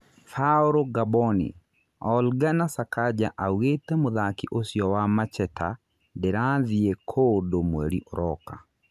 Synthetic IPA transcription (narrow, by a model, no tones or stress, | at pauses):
faoɾoɡabɔnḭ | ɔlɡanasakʰad͡ʒaʔawet̪emʊðakiʔosjɔwamat͡ʃɛtʰa̰ | dɛɾaðiekʰodomweɾiʔɔɾɔka̰